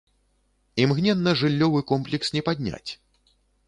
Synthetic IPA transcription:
imɣnʲɛnːɐʐɨlʲːɔvɨkɔmplʲɛksnʲɛpad̪ʲnʲa̰t͡sʲ

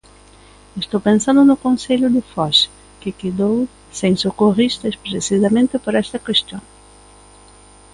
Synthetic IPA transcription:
est̪owpẽnsãnd̪ʊnʊkõnseʎʊðɪfɔs | kɪkeðow | seŋsokorist̪ɐspɾesisɐmẽnt̪ɪpoɾɛst̪ɐkwest̪jõŋ

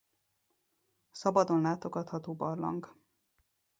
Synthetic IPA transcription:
sɒbɒd̪o̞nlaːt̪oɡɒt̪hɒt̪oːbɒrlɒ̰ŋk

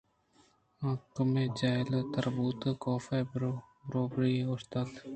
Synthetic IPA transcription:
ə̃kmẽːd͡ʒaːɪlt̪əɾbuːt̪koːfebɾoːbɾiːʊst̪aːt̪

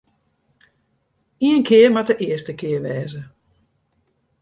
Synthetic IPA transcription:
iənkʰɪərmadəʔɪəstəkɪəʋɛːzə

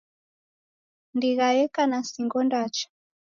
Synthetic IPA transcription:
ndiɣajɛkanasiŋɡɔndat͡ʃḁ

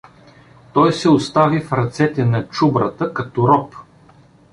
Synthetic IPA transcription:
t̪ɔjsɛʊst̪avifɾɐt̪sɛt̪ɛnɐt͡ʃubɾət̪əkɐt̪ɔɾɔp

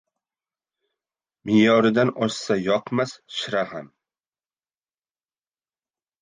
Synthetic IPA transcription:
mɪjɒɾɪd̪anɒʃsajɒqmasʃɪɾaham

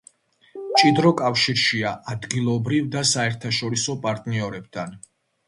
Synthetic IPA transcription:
t͡ʃʼid̪ɾɔkʼafʃiɾʃiaʔad̪ɡilˠɔbɾivd̪asaɛɾt̪ʰaʃɔɾisɔpʼaɾt̪ʼniɔɾɛbd̪ʰan

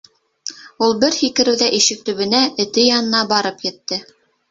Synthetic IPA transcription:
ulˠbɘɾhikɘ̆ɾɘ̆wðæʔiʃɘk̚t̪ɵ̆βɘ̆næɘ̆t̪ɘjɑnɤ̆nɑbɑɾɤpjɘ̆t̪ːɘ

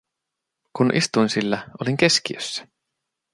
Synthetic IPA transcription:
kunʔḭst̪uinsilːæʔoliŋke̞skiøsːæ̥

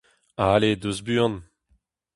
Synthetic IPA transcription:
aled̪uzbyːɑ̃n

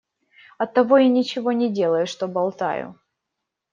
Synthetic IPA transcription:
ɐt̪ːɐvo̞inʲɪt͡ɕɪvo̞nʲɪdʲe̞lˠəjʊʂt̪obɐlˠt̪a̰jʊ̰

